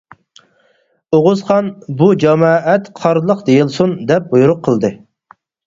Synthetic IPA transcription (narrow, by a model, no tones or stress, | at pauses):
oʁʊzχɑnbud͡ʒɑmɑːʔɛt̪qʰɑɾlˠəqd̪ejilˠsund̪ɛp̚bujuɾʊqʰːəlˠd̪ɨ